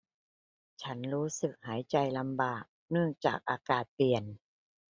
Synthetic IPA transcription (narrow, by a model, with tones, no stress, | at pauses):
t͡ɕʰa˦˥nɾuː˦˥sɯ˨˩k̚haː˩˦jt͡ɕa˧jla˧mbaː˨˩k̚nɯ˥˩əŋt͡ɕa̰ː˨˩k̚ʔaː˧kaː˨˩t̪̚pli˨˩ən